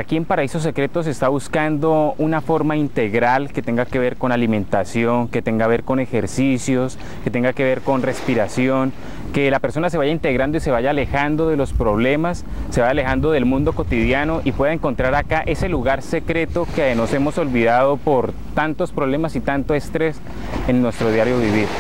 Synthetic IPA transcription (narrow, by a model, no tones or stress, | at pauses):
aɾakie̞mpaɾaeso̞s̬e̞kɾe̞t̪o̞s̬est̪aβuskand̪o̞unafo̞ɾmaint̪e̞ɣɾalke̞t̪e̞ŋɡake̞βe̞ɾko̞nalimẽ̞nt̪asjo̞ŋke̞t̪e̞ŋɡaβe̞ɾko̞ne̞xe̞ɾsisjo̞s | ke̞t̪e̞ŋɡake̞βe̞ɾko̞nre̞spiɾasjo̞ŋ | ke̞lape̞ɾso̞nas̬e̞βaʝaint̪e̞ɣɾand̪ois̬e̞βaʝaːle̞xand̪o̞ðe̞lo̞spɾo̞βle̞masː | e̞βajale̞xand̪oðe̞lmũnd̪o̞ko̞t̪iðjano̞ʔipwe̞ðaeŋko̞nt̪ɾaɾakaʔe̞se̞luɣaɾse̞kɾe̞t̪o̞keno̞se̞mo̞so̞lβiðaðo̞poɾ | t̪ant̪o̞spɾo̞βle̞masit̪ant̪o̞e̞st̪ɾe̞s | ennːwe̞st̪ɾo̞ðjaɾjo̞βiβiɾ